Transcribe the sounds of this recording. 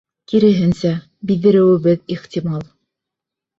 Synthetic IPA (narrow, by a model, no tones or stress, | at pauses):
kiɾɘ̆ɦɘnsæ | biðɘ̆ɾɘ̆wɘ̆βɘðiχt̪ʲimɑlˠ